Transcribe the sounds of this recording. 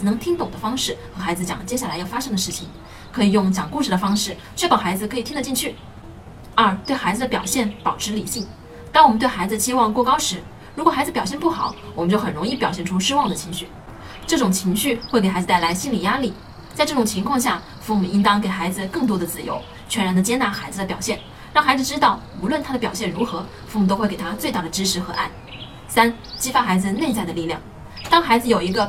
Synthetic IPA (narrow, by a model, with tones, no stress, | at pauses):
nɤ˧˥ŋt̪ʰi˥ŋt̪ʊ˨˩ŋd̪ə˦fɑ˥ŋʂɻ̩˥˩xɤ˧˥xa˧˥ɪd͡zɹ̩˧t͡ɕjɑ̰˨˩ŋ˩t͡ɕjɛ˥ɕja˥˩la˧˥ɪjɑ˥˩ʊfa˥ʂɤ˥ŋd̪ə˧ʂɻ̩˥˩t͡ɕʰi˩ŋ | kʰɤ˧˥i˨˩jʊ˥˩ŋt͡ɕjɑ˨˩ŋku˥˧ʂɻ̩˥˩d̪ə˩fɑ˥ŋʂɻ̩˥˩ | t͡ɕɥɛ˥˩pɑ˥˩xa˧˥ɪd͡zzɹ̩˧kʰɤ˧˥i˨˩t̪ʰi˥d̪ə˧t͡ɕi˥˧nt͡ɕʰy˥˩ | ə˞˧˥˧t̪we˥˩ɪxa˧˥ɪd͡zɹ̩˧d̪ə˩pjɑ˨˩ʊɕjɛ˥˩npɑ˨˩ʊʈ͡ʂʰɻ̩˧˥li˨˩ɕi˥˩ŋ | t̪a˥˩wmə˦nt̪we˥˩ɪxa˧˥ɪd͡zɹ̩˧ɕi˥wɑ˥˧ŋkwɔ˥˧kɑ˥ʊʂɻ̩˧˥ | ɻkwɔ˨˩xa˧˥d͡z̩ɹ̩˧pjɑ˨˩ʊɕjɛ˥˧npu˥˩xɑ̰˨˩˦ʊwɔ˨˩mə˦nt͡ɕjo˥˩ʊxə˨˩nɻʊ˧˥ŋi˥˩pjɑ˨˩ʊɕjɛ˥˩nʈ͡ʂʰu˥ʂɻ̩˥wɑ˥˩ŋd̪ə˩t͡ɕʰi˧˥ŋɕy˥˩ | ʈ͡ʂɤ˥˩ʈ͡ʂʊ˨˩ŋt͡ɕʰi˧˥ŋɕy˥˧xwe˥˩k̬e˨˩a˧˥ɪd͡z̩˨˧t̪ɪla˧˥ɪɕi˥nli˨˩ja˥li˥˩ | t͡sa˥˧ʈ͡ʂɤ˥˩ʊ˨˩ŋt͡ɕʰi˧˥ŋkʰwɑ˥˧ŋɕja˥˩ | fu˥˩mu˨˩i˥ŋt̪ɑ˥ŋk̬e˨˩ɪxa˧˥ɪd͡zɹ̩˧kɤ˥˩ŋt̪wɔ˥d̪ə˨t͡sɹ̩˥˩jo̰˧˥ʊ | t͡ɕʰɥɛ˧˥nɻa˧˥nd̪ə˧t͡ɕjɛ˥nt̪a˧˥xa˧˥ɪd͡zɹ̩˧d̪ə˧pjɑ˨˩ʊɕjɛ˥˩n | ɻɑ˥˩ŋxa˧˥d͡zɹ̩˧ʈ͡ʂɻ̩˥t̪ɑ˥˩ʊ | u˧˥lwə˥˩nt̪ʰa˥d̪ə˨pjɑ˨˩ʊɕjɛ˥˩nɻu˧˥xɤ˧˥ | fu˥˩mu˨t̪o˥xwe˥˩ke˨˩t̪ʰa˥t͡swe˥˧ɪt̪a˥˩ə˩ʈ͡ʂɻ̩˥ʂʰɻ̩˧˥xɤ˧˥ʔa̰˥˩n | sa˥n | t͡ɕi˥fa˥xa˧˥ɪd͡zɹ̩˧ne˥˧ɪt͡sa˥˩ɪə˩li˥˧ljɑ̰˥˩ŋ | t̪ɑ˥ŋxa˧˥ɪd͡zɹ̩˧jo˨˩ʊi˧˥ɡə˧